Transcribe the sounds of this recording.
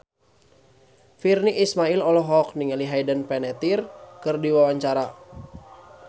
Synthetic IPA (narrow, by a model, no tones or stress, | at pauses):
firniʔːsmailɔlɔɦɔk̚niŋaliɦajdənpɛnɛt̪irkɨrdiwawaɲt͡ʃaɾa